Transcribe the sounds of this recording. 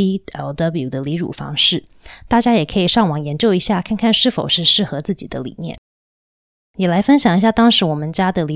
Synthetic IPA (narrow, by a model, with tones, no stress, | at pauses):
i˥ɛ̰˧˩ld̪ə˦˥blju˨˩d̪ə˦li˧˥ɻṵ˨˩fɑ̰˥ŋʂɻ̩˥˩ | t̪a˥˩t͡ɕja˥jɛ˨˩kʰɤ˧˥i˨˩ʂɑ˥˩ŋwɑ˨˩ŋjɛ˧˥nt͡ɕjo˥˩ʊi˧˥ɕja˥˩kʰa˥˧nkʰa˥˧nʂɻ̩˥˩fo˨˩ʊʂɻ̩˥˧ʂɻ̩˥˩xɤ˧˥t͡sɹ̩˥˩t͡ɕi˨˩d̪ə˦lḭ˨˩njɛ̰˥˩n | jɛ˨˩la˧˥ɪfə˥nɕjɑ˨˩ŋi˧˥ɕja˥˩t̪ɑ˥ŋʂɻ̩˧˥wɔ˨˩mə˦nt͡ɕja˥d̪ə˨li˧˥